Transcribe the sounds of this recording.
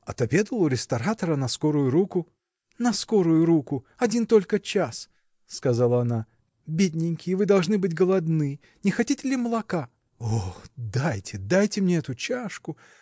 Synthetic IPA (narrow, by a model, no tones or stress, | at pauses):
ɐ̰t̪ɐbʲe̞d̪əlˠʊɾʲɪst̪ɐɾat̪əɾənɐsko̞ɾʊjʊɾukʊ | nɐsko̞ɾʊjʊɾukʊ | ɐdʲint̪o̞lʲkət͡ɕasː | kɐzalˠəɐna | bʲedʲnʲɪnʲkʲɪjvɨd̪ɐlˠʐnɨbɨtʲɡəlˠɐd̪nɨ | nʲɪxɐtʲitʲɪlʲɪməlˠɐka | oxd̪ajtʲɪd̪ajtʲɪmnʲeɛt̪ʊt͡ɕaʂkʊ